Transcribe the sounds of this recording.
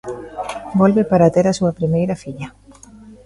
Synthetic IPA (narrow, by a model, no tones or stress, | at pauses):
bolβepaɾat̪eɾasuɐpɾimejɾɐfiʎɐ